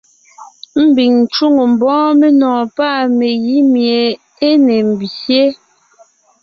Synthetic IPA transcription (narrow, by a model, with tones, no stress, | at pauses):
m̩˦bi˨ŋn̩˨t͡ʃu˦˨ŋo˨m̩˨bɔ̃ː˦me˦nɔ̃ː˨pa˦˨me˨ji˨˦mje˨ | e˦ne˨m̩˨bsje˦